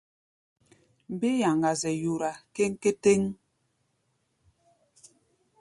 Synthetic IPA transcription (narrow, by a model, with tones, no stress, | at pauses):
m̩˨be˦ja˨ŋɡa˨zɛ˨ju˨ɾa˨ke˦ŋ˦ke˦te˦ŋ